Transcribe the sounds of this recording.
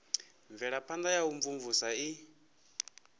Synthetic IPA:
ɱvɛɺapʰand̪ajauɱvuɱvusai

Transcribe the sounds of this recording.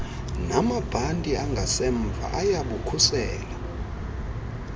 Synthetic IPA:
namab̥ʱantʼiaŋɡʱasɛɱvʱa̰ʔajaɓukʰusɛːla

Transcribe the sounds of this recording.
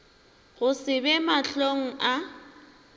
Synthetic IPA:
ɣʊsɪbɛmaɬoŋ̩ʔa

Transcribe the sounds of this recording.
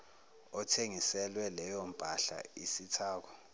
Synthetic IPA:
ɔtʰeŋisɛlwɛlɛjɔm̩pʼaɬa̰isitʰaːk̬ɔ

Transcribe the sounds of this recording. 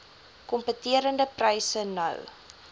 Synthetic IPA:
kɔmpətiəɾəndəprɐjsənɐ̰w

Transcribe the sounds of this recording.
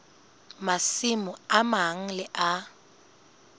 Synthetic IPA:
masɪmʊamaŋ̩lɪʔa

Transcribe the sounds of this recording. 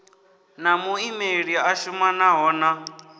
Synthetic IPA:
namuimeɺiaʃumanaɦɔːna

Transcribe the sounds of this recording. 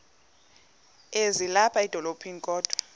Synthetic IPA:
ezilapʰaid̥ʱɔlopʰiŋkʼɔːd̥ʱɔ

